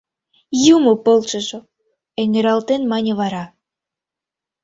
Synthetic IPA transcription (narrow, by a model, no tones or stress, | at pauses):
jumopolˠt͡ʃə̆ʒo | eŋĕɾɑlt̪enmɑnʲĕβɑɾɑ